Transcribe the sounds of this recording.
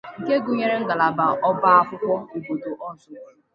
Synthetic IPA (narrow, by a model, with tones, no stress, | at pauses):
ke˦ɡʊ˦ɲe˦ɾe˦ŋ̩˦ɡa˨la˨ba˨ʔɔ˦ba˦a˦kʷʊ˦kʷɔ˦e˨bo˨do˨ʔɔ˦zʊ˦